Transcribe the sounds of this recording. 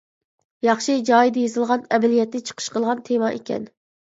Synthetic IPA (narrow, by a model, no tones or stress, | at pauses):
jɑχʃid͡ʒɑːjid̪ɪjezɨlˠʁɑnɛbɛlijɛt̪ːɪt͡ʃʰə̥qʰə̥ʃqʰəlˠʁɑnt̪ʰemɑʔekʲɛ̰n